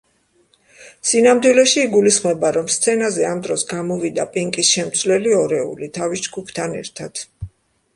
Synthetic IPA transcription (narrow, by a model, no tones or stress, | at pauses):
sinamd̪wilɛʃiːɡulisχmɛbaɾɔmst̪sʰɛnazɛamd̪ɾɔsɡamɔvid̪apʼiŋkʼisʃɛmt̪sʰvlɛliɔɾɛṵlit̪ʰavisd͡ʒɡupʰt̪ʰanɛ̰ɾt̪ʰad̪̥